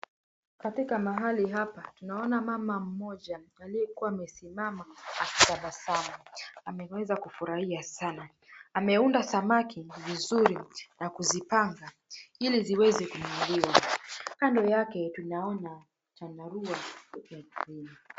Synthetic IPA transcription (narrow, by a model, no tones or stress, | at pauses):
katikamaɦaliɦapatunaɔnamamam̩mɔʄaalijɛkuwaːmɛsimamaaki̥taɓasamaamɛwɛzakufuɾahiasanaː | mɛundasamakivizuɾinakuzipaŋɡa | iliziwɛzɛkunuliwakandɔjakɛtunaɔna | t͡ʃanaɾuwaukakɾini